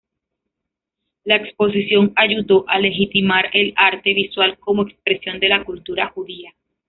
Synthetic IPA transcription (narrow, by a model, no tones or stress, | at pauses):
laekspo̞s̬isjo̞ŋaʝuðo̞ʔale̞xit̪imaɾe̞laɾt̪e̞βiswalko̞moekspɾe̞sjo̞nd̪e̞lakult̪uɾaxuðia